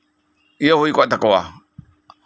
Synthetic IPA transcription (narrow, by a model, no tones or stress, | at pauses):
iahuikʷatakawa̰